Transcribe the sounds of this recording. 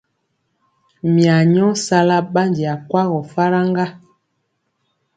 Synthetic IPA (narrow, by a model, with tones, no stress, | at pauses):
mja˨ɲɔ˦sa˦la˦ɓa˦ndi˨a˨kwa˦ɣɔ˨fa˦ɾa˦ŋɡa˦